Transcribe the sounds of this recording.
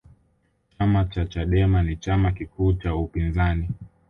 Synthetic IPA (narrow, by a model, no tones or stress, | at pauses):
t͡ʃamat͡ʃat͡ʃaɗɛmanit͡ʃamakikuːt͡ʃaupinzani